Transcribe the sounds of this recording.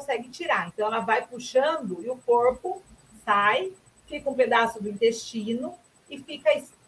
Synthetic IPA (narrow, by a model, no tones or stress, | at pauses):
õsɛɡɪt͡ʃiɾaɾẽnt̪ɐ̃w̃ɛlɐvajpuʃɐ̃nd̪ʊɪʊkoɾpʊ | saj | fikɐũped̪asʊd̪ʊĩnt̪est͡ʃĩnʊ | ɪfikɐis